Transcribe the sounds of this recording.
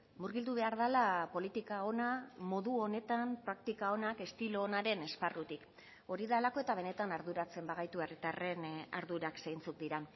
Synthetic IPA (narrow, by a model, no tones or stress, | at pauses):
muɾɣild̪uβ̞e̞aɾð̞alapo̞lit̪ikao̞namo̞ðuo̞ne̞t̪ampɾakt̪ikao̞nake̞st̪ilo̞ːnaɾe̞ne̞sparut̪ik | o̞ɾiðalako̞e̞t̪aβ̞e̞ne̞t̪anaɾðuɾat͡se̞mbaɣajt̪uerit̪are̞na̰ɾðuɾaksejnt͡suk̚d̪iɾan